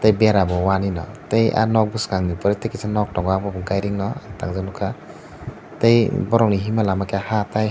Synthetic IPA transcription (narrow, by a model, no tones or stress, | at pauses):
tejbeɾabɔwaninɔ̰teja̰nɔk̚buskaŋnipɔɾetejkisʰanɔk̚tɔŋɡabɔbuŋɡajɾiŋnɔtaŋzanukʰa | tejbɔɾɔŋniɦimalamakeahataj